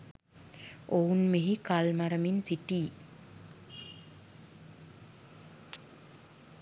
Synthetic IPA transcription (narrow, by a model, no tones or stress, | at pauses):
ounmeɦikalmaɾəminsiʈiː